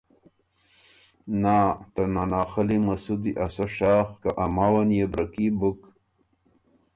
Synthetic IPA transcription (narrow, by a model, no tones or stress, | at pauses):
naːt̪ɐnanaːxɐlimɐsud̪iʔasɐʂaːxkaʔamaːwanjebɾɐkibuk